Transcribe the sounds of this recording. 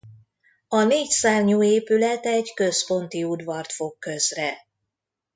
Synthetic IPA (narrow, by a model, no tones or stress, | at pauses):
ɒneːcsaːrɲoːeːpylɛt̪ɛɟkø̞spo̞nt̪iud̪vɒrt̪fo̞kːøzrɛ